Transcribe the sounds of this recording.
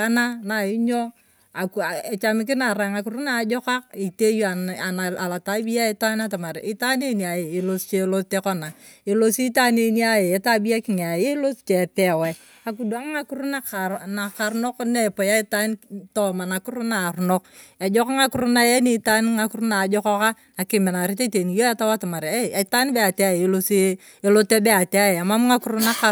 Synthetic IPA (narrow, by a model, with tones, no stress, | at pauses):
a˦na˦na˨i˦ɲɔ˦ | a˨ka˨e˨t͡ʃa˨˦mɪ˦k̬ɪ˦na˨ɾa˨ŋa˨ku˨ɾu˦na˨d͡ʒɔ˦ka˦k̚i˨te˦jo˦a˨a˨na˨a˨la˨ta˨˦bi˦ja˦e˦ta˦na˦ta˨ma˨ɾ̰i˦ta˦ne˦ni˨a˨je˨i˨lo˦st͡ʃe˦lo˦ste˦kɔ˦na˨ | i˨lo˦si˦ta˦ne˨ni˦a˨je˨e˨˦ta˦bi˦ja˦kɪ˨ŋ˨a˨e˦lo˦st͡ʃɛ˨pɛ˨wɛ˨ | a˨k̬u˨do˨a˦m˦ŋa˦ku˦ɾu˦na˦˨na˨ka˨ɾno˦kne˦˨po˨ja˦i˦ta˦ntɔ˦ma˨na˨ku˦ɾu˦na˨ɾnɔ˦ka˨d͡ʒɔ˦kɔ˦ŋa˦ku˦ɾu˦na˦je˦ni˦ta˦nŋa˨ku˦ɾu˦na˨d͡ʒɔ˦kɔ˦ka˦ | na˨kɪ˨me˨na˨ɾi˦te˦te˨ni˨jo˦a˦ta˦wa˦ta˨ma˨ɾe˦˨˦ta˦n˦be˦a˨te˦a˦˨je˨e˨lo˦si˦ | e˦lo˦te˦be˦a˨te˦a˦je˨a˨ma˦m˦ŋa˦ku˦ɾu˦na˦ka˨